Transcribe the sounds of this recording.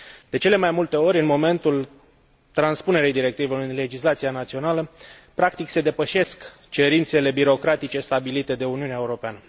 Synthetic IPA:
d̪̥e̞t͡ʃe̞le̞majmult̪e̞o̞ɾʲɨnmo̞me̞nt̪ul | t̪ɾanspune̞ɾejd̪iɾe̞k̚t̪iveɨnle̞d͡ʒislat̪sianat̪sio̞naləpɾakt̪ikse̞d̪e̞pəʃe̞sk | t͡ʃe̞ɾint̪se̞le̞biɾo̞kɾat̪it͡ʃe̞st̪abilit̪e̞d̪e̞uniuneaeuɾo̞peanə

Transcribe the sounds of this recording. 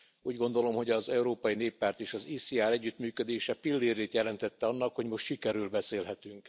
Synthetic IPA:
uːɟɡo̞nd̪o̞lo̞mho̞ɟɒzɛuɾoːpɒjineːpːaːrt̪eːʃɒziːsiaːɾɛɟːyt̪myːkød̪eːʃɛpilːiːɾeːt̪jɛlɛnt̪ɛt̪ːɛɒnːɒkho̞ɟmo̞ʃt̪ʃikɛɾylbɛseːlɦɛt̪yŋk

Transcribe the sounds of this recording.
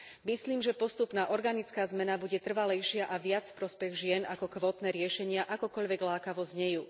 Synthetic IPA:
misliːmʒɛpɔst̪upnaːʔɔɾɡanit͡skaːzmɛnabuɟɛt̪r̩ʋalɛjʃɪaʔaʋɪat͡sfpɾɔspɛɣʒɪɛnakɔkʋɔːt̪nɛːɾɪɛʃɛɲɪaʔakɔkɔʎʋɛɡlaːkaʋɔzɲɛjuː

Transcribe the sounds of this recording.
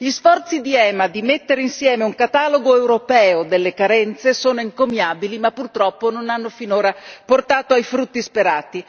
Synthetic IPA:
ʎisfɔrt̪sid̪iɛːmad̪imet̪ːeɾeinsjɛːmeuŋkat̪aːloɡoewɾopɛːod̪elːekaɾɛnt̪sesoːnoiŋkomjaːbilimapːurt̪ɾɔpːononanːofinoːɾaport̪aːt̪oajfɾut̪ːispeɾaːt̪i

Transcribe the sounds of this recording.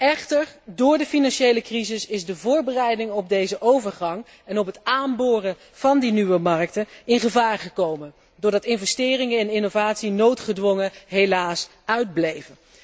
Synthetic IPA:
ɛχtəɹdʊːɹdəfinɑnʃejləkrizɪsɪzdəvʊːɹbərɛjdɪŋɔb̚dejzəʔowvəɹχɑŋ | ɛnɔpɦətaːmbʊːrə | v̥ɑndinyʋəmɑrk̚təɪnχəvaːɹχəkowmən | dʊːɹdɑtɪnvɛstɪːrɪŋəɛnɪnovaːtsinowtχədʋɔŋəɦejlaːs | œɥd̚blejvən

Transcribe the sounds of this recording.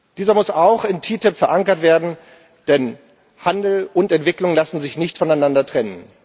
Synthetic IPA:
d̥iːzɐmʊsaʊxɪntʰiːtɪpfɛɐʔaŋkɐtv̥eːɐdn̩ | d̥ɛn | handl̩ʊntɛntv̥ɪklʊŋlasn̩zɪçnɪçtfɔnaɪnandɐtʁ̥ɛnən

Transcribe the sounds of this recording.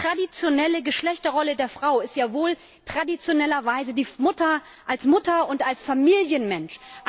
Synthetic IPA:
ʁ̥adit͡sjonɛləɡəʃlɛçtɐʁɔlədeːɐfʁ̥aʊɪstjaːvoːl | tʁ̥adit͡sjonɛlɐvaɪzədiːmʊtɐ | ʔalsmʊtɐʊntalsfamiːljənmɛnʃʔ

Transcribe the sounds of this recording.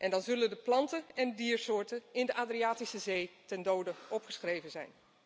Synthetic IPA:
ʔɛndɑnzɵləndəplɑntəɛnədiːɹsʊːɹtənɪndəʔaːdriaːtisəzejtɛndowdəʔɔpχəsχrejvənzɛjn

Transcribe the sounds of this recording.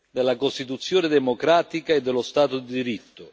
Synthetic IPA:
d̪elːakost̪it̪ut̪sːjɔːnɪd̪ɛmokɾaːt̪ikaed̪ːɛlːʊst̪aːt̪ʊd̪id̪iɾit̪ːʊ

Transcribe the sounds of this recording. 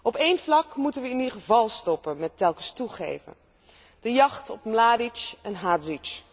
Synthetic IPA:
ɔpejnvlɑkmutənʋəɪniχəvɑlˠstɔpənmɛtɛlˠkəstuχḛjvə̰n | d̥əjɑχtɔpmlaːdit͡ʃɛnɦaːtzit͡ʃ

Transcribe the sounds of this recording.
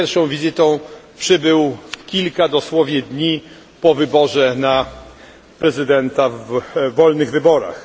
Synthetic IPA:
ɛɾfʂɔ̃w̃vʲizɘt̪ɔ̃w̃pʂɘbɘwkʲilkad̪ɔswɔvʲjɛd̪ɲi | pɔvɘbɔʐɛna | pɾɛzɘd̪ɛnt̪avːɔlnɘɣvɘbɔɾa̰x

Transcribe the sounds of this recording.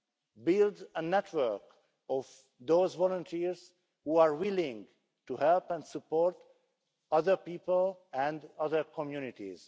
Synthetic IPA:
bɪldənɛtʰwə˞k | ɔv | d̪oːzvɔlɔ̃nt̪ʰiɹz̥ | huaɹwɪlɪ̃ŋ | tuhɛlpɛ̃ndsupoɹt | ʌðə˞piːpəlɛ̃ndʌðəɹkʰɔ̃mjunɪtḭz̥

